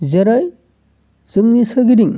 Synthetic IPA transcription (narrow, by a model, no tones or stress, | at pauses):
zeɾaj | z̥ɯmnisɯɡiɾiŋ